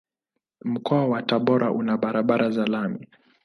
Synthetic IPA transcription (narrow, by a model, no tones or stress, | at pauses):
m̩kʰɔawataɓɔɾʔaʔunaɓaɾaɓaɾʔazalami